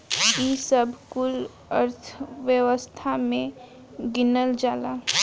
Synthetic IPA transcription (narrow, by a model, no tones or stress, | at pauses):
isəbʱkul | ə̰ɾt̪ʰʋjəwəst̪ʰamẽ | ɡɪnəld͡ʒaːla